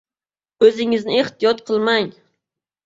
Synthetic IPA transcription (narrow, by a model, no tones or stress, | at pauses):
ɵzɪŋɪznɪeht̪ɪjɒt̪qʰɨlˠmaŋ